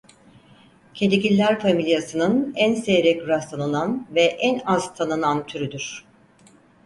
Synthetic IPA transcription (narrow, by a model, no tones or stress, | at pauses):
cʰe̞d̪ecilʲːæɾfamilʲjasɯnɯnænseɾɛcɾast̪ʰanɯnanvɛʔænazt̪ʰanɯnant̪ʰyɾyd̪yɾ̥